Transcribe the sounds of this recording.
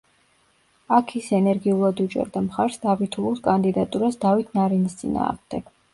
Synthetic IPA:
akʰisɛnɛɾɡiulˠad̪ut͡ʃʼɛ̰ɾd̪amχaɾsd̪abit̪ʰuuskʼand̪id̪at̪ʼuɾasd̪avit̪ʰnaɾinist̪sʼḭna̰ːʁmd̪̥ɛɡ̥

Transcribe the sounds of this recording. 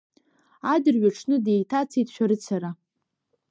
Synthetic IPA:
adɨrɥaʈ͡ʂʰnɨdejtʰat͡sʰijtʰʃʷᶣaɾɨt͡sʰaɾa

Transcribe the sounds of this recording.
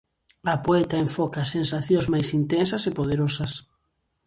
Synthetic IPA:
ɐpoet̪aẽɱfɔkasensaθjõzmajsint̪ensɐsepoð̞eɾosɐs

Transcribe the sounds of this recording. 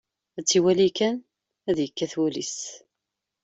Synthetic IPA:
æt͡sːiwælikæn | æðjəkːæθwulḭs

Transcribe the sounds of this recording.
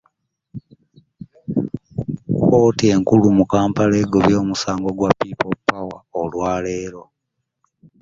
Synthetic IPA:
oːtie̞ŋkulumukaːmpale̞ɡoβjo̞ːmusaːŋɡo̞ɡwapːiːpopːawaolwaːle̞ːɾo̞

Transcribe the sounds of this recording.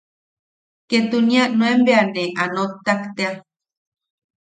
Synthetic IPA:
ket̪unianwembeaneʔanot̪ːakt̪ea

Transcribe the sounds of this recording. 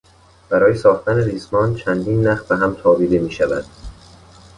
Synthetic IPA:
b̥æɾɒːje̞sɒːxt̪æneɾiːsmɒːnt͡ʃʰænd̪iːnːæxbeɦæmt̪ʰɒːbiːd̪emiːʃævæ̰d̪̥

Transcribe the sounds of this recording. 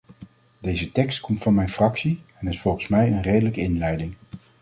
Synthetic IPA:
dejzətɛkstkɔmtfɑnmɛjnfrɑksiɛnɪsfɔlˠχənsmɛjənrejdələkəɪnlɛjdɪŋ

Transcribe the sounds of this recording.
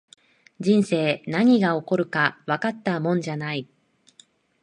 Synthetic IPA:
d͡ʑĩɰ̃se̞ːnaɲ̟iɡao̞ko̞ɾɯ̟kaβakat̪ːamõ̞ɲ̟d͡ʑanai

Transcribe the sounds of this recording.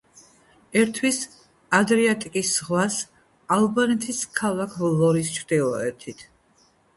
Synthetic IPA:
ɛɾt̪ʰwis | ad̪ɾiat̪ʼikʼisʁwas | alˠbanɛt̪ʰiskʰalˠakʰvlˠɔɾist͡ʃʰɾd̪̥ilˠɔ̰ɛt̪ʰit̪ʰ

